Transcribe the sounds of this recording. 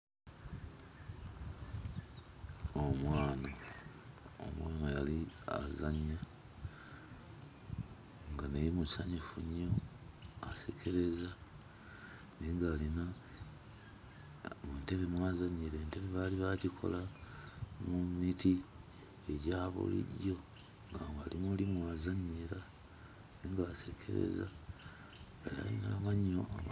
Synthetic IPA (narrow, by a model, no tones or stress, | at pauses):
omwaːna | o̰mwaːnajalia̰zaɲːa | ŋɡanejimusaɲifuɲːo̞ase̞kʰe̞ɾe̞za | niːŋɡaːlina | munte̞βemwazaɲiɾeːnte̞βeβaliβacikʰo̞̰la | mumiti | eɟaːβṵlḭɟo̞ | ŋɡa̰alimulimwaːzaɲiɾa | niːŋɡaːsekʰe̞̰ɾḛza̰ | aa̰inaβaɲːo